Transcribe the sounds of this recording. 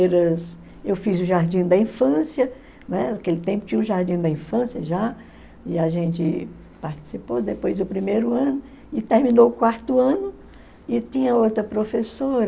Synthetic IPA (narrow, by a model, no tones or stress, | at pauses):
ɾɐs | ewfizʊʒaɾd͡ʒĩd̪ɐĩfɐ̃sjɐ | nɛakelɪt̪ẽmpʊ̥t͡ʃĩʊʒaɾd͡ʒĩd̪ɐĩfɐ̃sjɐʒa | ɪaʒẽnt͡ʃɪ | paɾt͡ʃi̥sipod̪epojzd̪ʊpɾimejɾʊɐ̃nʊ | ɪt̪eɾmĩnoʊkwaɾt̪ʊɐ̃nʊ | ɪt̪ĩɲɐowt̪ɾɐpɾofesoɾ